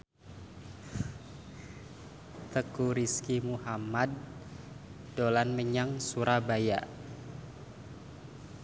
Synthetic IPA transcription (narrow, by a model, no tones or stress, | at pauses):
t̪əkuɾiskimuhamad̚ | olanməɲaŋsuɾabaja